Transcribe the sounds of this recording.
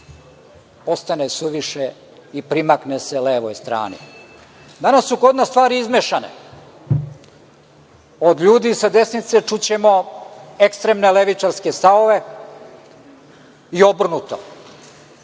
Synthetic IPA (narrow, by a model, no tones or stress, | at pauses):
po̞st̪anesuʋiʃe | ipɾimakneseleːʋojst̪ɾa̰ːnḭ | d̪anasːukod̪nast̪ʋaːɾiizmeʃanḛ | od̪ʎuːd̪isad̪e̞snit̪set͡ʂut͡ɕemo̞ekst̪ɾemneleʋit͡ʂaɾskest̪aoʋe | io̞br̩nut̪o̰